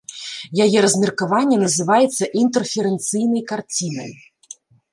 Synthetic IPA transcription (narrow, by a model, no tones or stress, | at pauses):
jajɛɾɐzʲmʲɛrkavanʲːɛnɐzɨvajɛt̪sːɐʔint̪ɛrfʲɛɾɛnt̪sɨjnɐjkart͡sʲinɐ̰j